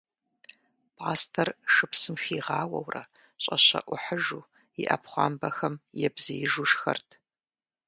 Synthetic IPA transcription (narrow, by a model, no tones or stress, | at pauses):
pʰaːstʰɐrʂɨpsɨmxiːʁɑːwɐ̰wrɐ̰ | ɕʼɐɕɐ̰ʔʷʊħəʒuː | iʔɐ̰pχʷɑ̰ːmbɐxɐmjɛbzɐjɪʒuʂxɐ̰rtʰ